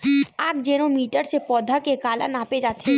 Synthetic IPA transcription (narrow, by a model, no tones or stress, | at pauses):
aːkd͡ʒeːnomiːʈəɾsepɔːd̪ʱakekaːla̰naːped͡ʒaːt̪e